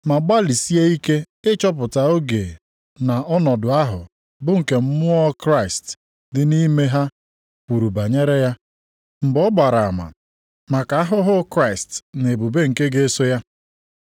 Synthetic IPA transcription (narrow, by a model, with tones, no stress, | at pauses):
ma˨ɡ͡ba˦li˨si˦e˦i˦ke˦ | ɪ˦t͡ʃɔ˦p̬ʊ˨ta˨o˦ɡe˨ | na˨ʔɔ˦nɔ˨dʊ˨a˦ɦʊ̰˨ | bʊ˦ŋ̩˨ke˨m̩˦mʊ˦ɔ˦kɾa˦˨ɪ˨st | dɪ˦ni˦me˦ɦa˦ | kʷu˨ɾu˨ba˨ɲe˦ɾe˦ja˦ | m̩˨bɔ˦ɡ͡ba˨ɾa˨a̰˨ma̰˨ | ma˨ka˨a˦ɦʊ˦ɦʊ˦kɾa˦˨ɪ˨stne˨bu˨be˦ŋ̩˨ke˦ɡe˦so˦ja˦